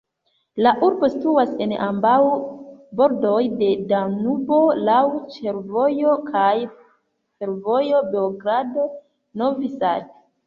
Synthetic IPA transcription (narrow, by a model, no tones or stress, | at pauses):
laʔuɾbo̞situase̞nʔa̰mbawbo̞ɾdo̞jde̞danubo̞lawt͡ʃe̞ɾvo̞jo̞kʰaj | fe̞ɾvo̞jo̞beoɡɾado | novisa̰d